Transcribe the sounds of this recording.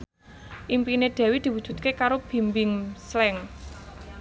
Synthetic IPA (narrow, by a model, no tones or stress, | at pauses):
ʔimpineɖ̪̥ɛ̤wid̪̥i̤wud̥ʒ̥ṳt̪̚kekaɾob̥i̤mbɪŋslɛŋ